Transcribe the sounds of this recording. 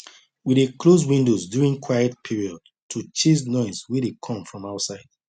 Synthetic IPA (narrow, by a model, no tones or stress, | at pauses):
wiɾeklozwĩndozdjuɹĩŋkʰwajətpʰiɹiɔd̚ | tʰut͡ʃesnɔɪswidekʰɔ̃mfɹɔ̃maʊtsaɪd̥̚